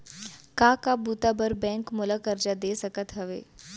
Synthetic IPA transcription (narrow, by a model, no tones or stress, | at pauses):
kaːkabuːt̪abəɾbɛ̃ːŋkmʊlakəɾd͡ʒad̪eːsɐkət̪ɦɐʋeː